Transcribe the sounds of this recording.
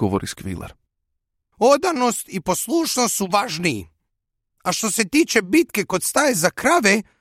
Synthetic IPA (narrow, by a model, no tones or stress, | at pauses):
ɡoʋoɾiskʋḭlḛɾ | od̪ano̞st̪ipo̞slˠuːʃnost̪suʋaʒniḭ | aʃt̪o̞se̞t̪iːt͡ʃe̞bit̪kekod̪st̪ajezakɾaʋe